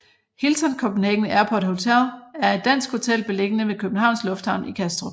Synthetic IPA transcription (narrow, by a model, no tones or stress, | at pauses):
hilsɒnkʰɒb̥neɡ̥nəʔæɐpʰɒ̽d̥ho̝t͡sʰel̰æɐe̝d̥ːæn̰sɡ̥ho̝t͡sʰel̰b̥e̝le̝ɡ̥ənəʋekʰøb̥n̩hɑ̈ʊnslɔ̽fd̥hɑ̈ʊ̰nikʰæsd̥ʁo